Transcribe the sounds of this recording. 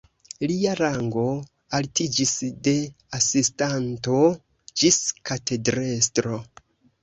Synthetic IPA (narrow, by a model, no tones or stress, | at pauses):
liaɾaŋɡo̞ | altid͡ʒisde̞ | asistanto̞ | d͡ʒiskate̞dɾestɾo